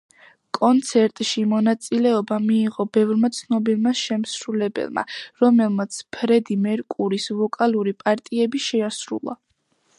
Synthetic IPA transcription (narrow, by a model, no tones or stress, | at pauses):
kʼɔnt̪sʰɛɾt̪ʼʃimɔnat̪sʼilɛɔbamiːʁɔbɛvɾmat̪sʰnɔbilˠmaʃɛmsɾulɛbɛ̰lˠma̰ɾɔmɛlˠmat̪sʰpʰɾɛd̪imɛɾkʼuɾisvɔkʼaluɾipʼaɾt̪ʼiɛbiʃɛasɾṵlˠa̰